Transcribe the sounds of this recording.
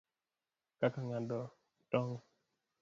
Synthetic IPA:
kakaŋadɔ | tɔŋ

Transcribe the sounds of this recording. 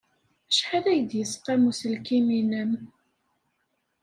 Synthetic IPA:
æʃħæðæjəd̪jəsqæmusəlkiminəm

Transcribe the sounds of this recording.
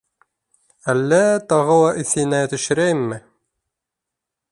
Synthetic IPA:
ælːæt̪ɑʁɤ̆wˠɑʔiθɘ̆næt̪ɘ̆ʃɘ̆ɾæjɘmːɘ

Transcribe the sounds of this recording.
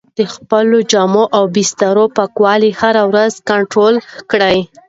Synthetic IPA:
d̪̥əxpəlod͡ʒɑmoʔawbist̪aɾopakwɑlihaɾawɾazkaɳʈɾolkɽəj

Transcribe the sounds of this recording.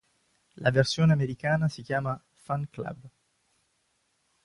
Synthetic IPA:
lʔaversjoːneameɾikaːnasikjaːma | faŋkla̰b

